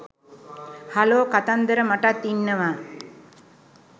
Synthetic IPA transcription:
haloːkat̪and̪əɾəmaʈat̪ːinːəʋaː

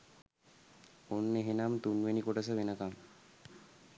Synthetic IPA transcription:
onːeɦenamt̪unʋenikoʈas̬əʋenəkam

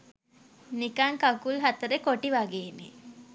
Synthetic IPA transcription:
nikaŋkakulɦat̪əɾekoʈiʋaɡeːnḛ

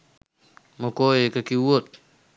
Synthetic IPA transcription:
mokojekakiwot̪̚

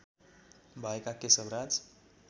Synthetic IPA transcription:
bʱajkakesəbɾad͡z

